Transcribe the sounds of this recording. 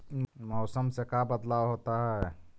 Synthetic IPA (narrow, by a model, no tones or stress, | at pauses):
mɔʊsəmsekabəd̪lawɦot̪aɦɛ